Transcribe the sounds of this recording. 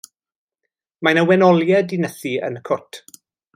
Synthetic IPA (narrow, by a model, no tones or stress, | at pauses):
majnəwɛnɔljɛdɪnəθiə̰nəkʰʊtʰ